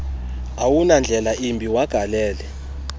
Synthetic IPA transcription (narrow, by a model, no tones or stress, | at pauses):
awunand͡ɮʱɛlaʔimbʱiwaɡ̥ʱalɛːlɛ